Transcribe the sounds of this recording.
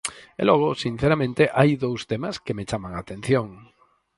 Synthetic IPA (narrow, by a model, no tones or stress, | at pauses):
ḛloɣ̞osin̟θeɾamẽnt̪eʔajðowst̪emaskemet͡ʃamãŋat̪en̟θjõŋ